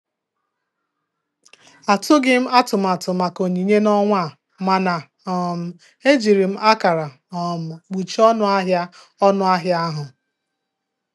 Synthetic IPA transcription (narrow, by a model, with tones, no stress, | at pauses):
a˨tʊ˦ɡɪ˦m̩˦a˦tʊ˨m̩˨a˨tʊ˨ma˨ko˨ɲi˨ɲe˦nɔ˦ŋʷa˦˨ | ma˨na˨ | ɔ˨m̩˦ | e˦d͡ʒi˨ɾi˨m̩˦ʔa˦ka˨ɾa˨ | ɔ˨m̩˨ɡ͡bu˨t͡ʃɔ˦nʊ˦a˦ɦja˦ | ɔ˦nʊ˦a˦ɦja˦ɦʊ˨